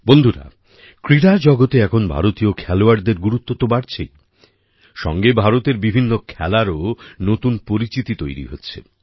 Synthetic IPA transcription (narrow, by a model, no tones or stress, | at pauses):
bond̪ʱuɾa̰ | kɾiɾad͡ʑɔɡot̪eɛkʰonbʱa̰ɾot̪iokʰɛloaɾd̪eɾɡuɾut̪ːot̪obaɾt͡ɕʰej | ʃɔ̰ŋɡebʱaɾot̪eɾbibʱinːokʰɛ̰laɾonot̪unpoɾit͡ɕit̪it̪ojɾḭɦotːɕʰḛ